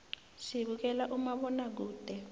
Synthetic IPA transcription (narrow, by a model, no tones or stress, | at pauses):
siɓuk̬ɛlaʔumaɓɔnak̬uːd̥ʱɛ